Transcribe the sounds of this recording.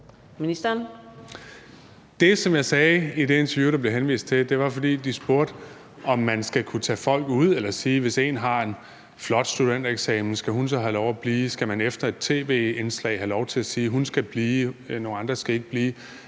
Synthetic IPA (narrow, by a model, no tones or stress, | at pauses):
minisd̥ɐn | d̥e̝sɒ̽mjɑ̈ɪsɛːid̥e̝e̝nt͡sʰɐjṵːɾ̥ɑ̈b̥le̝ɦenʋḭːsd̥̚t͡sʰe̝d̥e̝ʋɑ̈fɒ̽d̥ḭːd̥isb̥o̝ɐ̰d̥ | ɒ̽mːænsɡ̥ækʰut͡sʰɛ̰ːfɒ̽l̰ɡ̥uð̞̰ˠelɐsiːʋe̝se̝̰ːnɦɑ̈e̝n | flɒ̽d̥sd̥ud̥en̰d̥eɡ̥sɛ̰ːmn̩sɡ̥æɦunsɒ̽ɦælɒʊæb̥liːsɡ̥æmænefd̥ɐe̝d̥̚t͡sʰe̝̰ːʋe̝̰ːenslɛ̰ɪɦælɒʊt͡sʰe̝læsiːɦunsɡ̥æb̥liːnoːnɑ̈nd̥ʁɐsɡ̥æe̝ɡ̥əb̥liː